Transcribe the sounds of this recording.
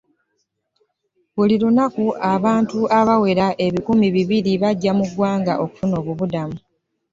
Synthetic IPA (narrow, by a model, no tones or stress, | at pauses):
βulilunakuʔaβaːntuʔaβawe̞ɾaʔe̞βikumiβiβiliβaɟːamuɡwaːŋɡa̰ʔo̞ku̥funo̞ːβuβudamu